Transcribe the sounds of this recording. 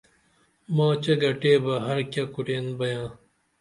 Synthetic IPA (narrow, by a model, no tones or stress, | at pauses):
mãːt͡ɕɐɡɐʈeːbɐɦɐɾkʲjakuʈeːnbɐjãː